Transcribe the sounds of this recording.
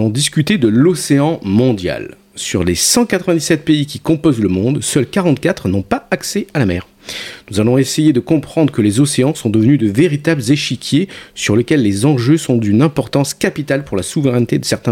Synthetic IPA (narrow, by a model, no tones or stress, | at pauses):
lɔ̃d̪iskʲyt̪ed̪əlɔseɑ̃mɔ̃d̪ja̰l | syʁlesɑ̃kat̪χəvɛ̃d̪isɛt̪̚peikʲikɔ̃pɔzləmɔ̃d̪sœlkaʁɑ̃t̪kat̪χnɔ̃paaksɛalamɛːʁ | nuzalɔ̃esejed̪əkɔ̃pχɑ̃d̪ʁəkəlezɔseɑ̃sɔ̃d̪əvənyd̪əveʁit̪abləzeʃikʲjesyʁlekʲɛlːezɑ̃ʒøsɔ̃d̪ynɛ̃pɔʁt̪ɑ̃skapit̪alpuʁlasuvəʁɛnt̪ed̪əsɛʁt̪ɛ̃